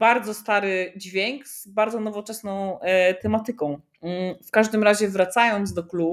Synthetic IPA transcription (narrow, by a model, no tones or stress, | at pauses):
baɾd̪zɔst̪aɾɘd͡ʑvʲjeŋkz̥baɾd̪zɔnɔvɔt͡ʂɛsnɔ̃w̃t̪ɛmat̪ɘkɔ̃w̩̃ | fkaʐd̪ɘmɾaʑɛvɾat̪sajɔnd̪zd̪ɔklu